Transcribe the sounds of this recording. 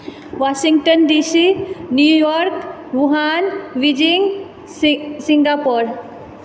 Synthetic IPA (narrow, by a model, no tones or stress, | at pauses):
wasiŋʈənɖisinjujɔɾk | ʋuɦanʋid͡ʒiŋ | siŋɡapɔɾ